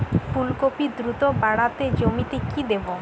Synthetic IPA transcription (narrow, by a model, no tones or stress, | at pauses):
fʰulkopid̪ɾut̪obaɽat̪ed͡ʑomit̪ekid̪ebo